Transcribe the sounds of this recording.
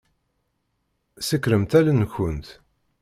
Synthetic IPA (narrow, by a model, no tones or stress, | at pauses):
səkːɾəmt̪ælænçənt̪